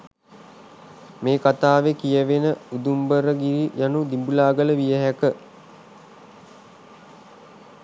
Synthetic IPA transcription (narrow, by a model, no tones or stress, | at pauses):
meːkat̪aːʋekijəʋenəud̪umbəɾəɡiɾijanud̪imbulaːɡələʋijəɦækə